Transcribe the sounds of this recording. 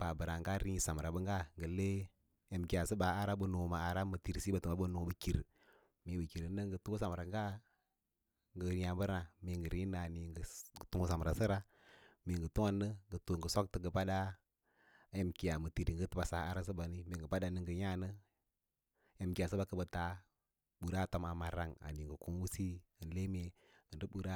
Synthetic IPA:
pa˨bə˨ɾa˨ŋɡa˦ɾi˦ɲi˦sa˨m˨ɾa˨bə˦ŋɡa˦ŋɡə˨le˦ | e˨mki˨ja˨sə˦ba˨a˦ɾa˦bə˦no˨ma˨a˨ɾa˦mə˨ti˨ɾsi˦ba˨tu˨ma˨˦bə˦no˨bə˨ki˨ɾ | mi˨bə˨ki˨ɾə˨nə˦ŋɡə˨tu˦u˦sa˨m˨ɾa˨ŋɡa˦ | ŋɡə˨˦ja˨bə˦ɾna˨mi˨ŋɡə˨ɾi˦na˨ni˨ŋɡə˨ɡtu˦ŋ˦sa˨m˨ɾa˨sə˦ɾa˦ | mi˨ŋɡə˨tu˦ŋa˦nːə˦ŋɡə˨tu˨ŋɡə˨so˦k̚tə˨ɡə˨pa˦da˦ | e˦mki˨a˨mə˨ti˨ɾi˨ŋɡə˦tə˦ba˨sa˨˦a˦ɾa˦s̬ə˦ba˨ni˦mi˨ŋɡə˨pa˦da˨nə˦ŋɡə˨ɲa˦nə˦ | je˦mki˨a˨s̬ə˦ba˦kə˦bə˨ta˨ | ɓu˨ɾa˦˨to˦ma˨ma˨ɾa˦ŋa̰˨ni˨ŋɡə˨ku˦ŋ˦wu˦si˦ə˨nle˦m˦e˨ | ɡə˨də˦bu˨ɾa˦

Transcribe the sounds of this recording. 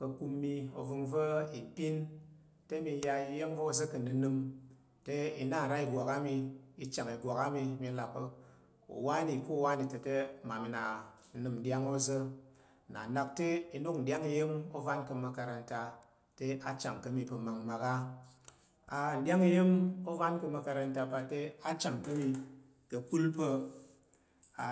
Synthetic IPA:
kə˧ku˧mːi˧o˨vɨ˧ŋvə˦i˨pi˦n | te˦mi˧˦ja˧i˧je˦mvo˦o˦˨zə˦kə˨nɨ˨nɨ˧m | te˦i˨na˦˨n̩˨ɾa˦i˨ɡʷa˨ka˦mi˧i˧t͡ʃa˨ŋi˨ɡʷa˨ka˦mi˧˦mi˧la˨po˧ | ṵ˨wa˦ni˨ku˦˨wa˦ni˨tə˨te˦ma˨mi˨˦na˨ | n̩˦nɨ˨mn̩˦dja˦ŋo˦zə˦˨ | na̰˨na˨k̚te˦i˧no˦k̚n̩˨dʲa˦ŋi˧je˦mo˦va˦nkə˧mɐ˧ka˧ɾa˧n̩˦ta˧ | te˦a˦t͡ʃa˨ŋ˨kɐ˦mi˨pə˧ma˨ŋma˨ka˦ | a˨n̩˨dʲa˦ŋi˧je˦mo˦va˦nkə˧mɐ˧ka˧ɾa˧n̩˦ta˧pa˧te˦a˦t͡ʃa˨ŋ˨kɐ˦mi˧ | kə˨ku˦lpə˧ | a˨

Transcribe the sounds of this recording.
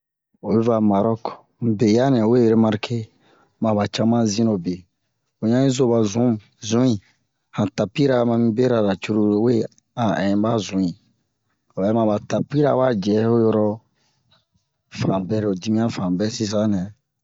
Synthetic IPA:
o˨bɛ˦va˨ma˨ɾɔ˦kɔ̥˨ | be˨ja˦nɛ̃˨we˦je˨ɾe˦ma˧ɾke˦ | mã˨ba˨t͡ʃa˦mã˦zĩ˦no˨be˨ | o˨ɲã˦ĩ˦zo˦ba˨zũ˨˦m˨ | zũ˨˦ĩ˨ | hã˨ta˨pi˦ɾa˨˦mã˧mĩ˦be˦ɾa˨ɾa˨t͡ʃu˦ɾu˦ɾwe˦ | a˨ɛ̃˨˦ba˦zũ˨˦ĩ˨ | o˨ɛ˨˦mã˨ba˨ta˨pi˦ɾa˨˦ba˦d͡ʒɛ˨˦o˦jɔ˦ɾɔ˦ | fã˨bɛ˦ɾe˨o˨di˦mĩ˦ã˦fã˨bɛ˦si˦s̬ã˨˦nɛ̃˨

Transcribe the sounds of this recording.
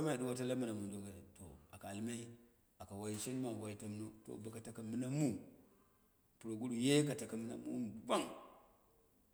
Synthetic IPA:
a˦ma˦a˨di˦wa˦ta˦la˦ma˦˨na˨mu˨n˨do˨ɡa˨to̰˨a̰˨ka˨a˨lma˦i˦ | a˨ka˨wa˦ji˦ʃi˦n˦ma˨wa˨˦i˦ta˦m˦no˦to̰˨ba˨ka˨ta˨ka˨mi˦na˦mu˦ | pu˨ɾo˨ɡu˦ɗu˨je˦ka˨ta˨ka˨mi˦na̰˦mṵ˦˨ɡʷa˦ŋ

